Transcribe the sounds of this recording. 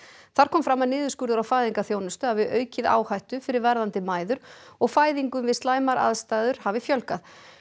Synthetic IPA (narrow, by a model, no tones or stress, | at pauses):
θaɾ̥kʰɔːmfɾamaðnɪːðʏskʏɾðʏɾawfaːjðiŋkaθjoːwnʏst̪ʏaðvɪʔœːɥcɪða̰ːwhajht̪ʏfɪɾɪɾvɛɾðant̪ɪmaːjðʏɾ̥ɔɣfaːjðiŋkʏmvɪðst̪aːjmaɾa̰ðst̪aːjðʏɾ̥havɪfjœlkað